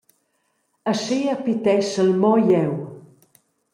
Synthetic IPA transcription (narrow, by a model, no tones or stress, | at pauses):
əʃiəpit̪ɛʃəlmɔjɛw